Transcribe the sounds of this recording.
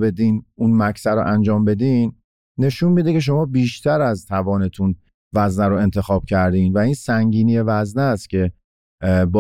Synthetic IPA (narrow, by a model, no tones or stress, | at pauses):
be̞d̪iːnunmæcʰsæɾo̰ʔænd͡ʒɒːmbe̞d̪inː | e̞ʃunmid̪ecʰeʃ̬o̞mɒːbiːʃt̪ʰæɾæzt̪ʰævɒːne̞t̪ʰun | væznæɾoe̞nt̪ʰe̞xɒːb̥̚cʰæɾd̪iːnvæiːnsæŋɟiːnije̞væznæst̪cʰe̞ | bɒː